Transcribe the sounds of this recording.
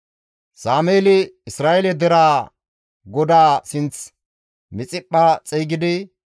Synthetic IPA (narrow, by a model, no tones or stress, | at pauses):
saːmeːlɪɪsɾaːʔɛlɛd̪ɛɾaː | ɡɔd̪aːsɪnt͡s | mɪt͡sʼɪpʼːat͡sʼɛjɡɪd̪ɪ